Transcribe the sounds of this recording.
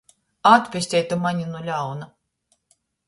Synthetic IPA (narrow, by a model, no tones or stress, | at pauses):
at̪pʲesʲt̪ʲɛjt̪umaɲʲinulʲawna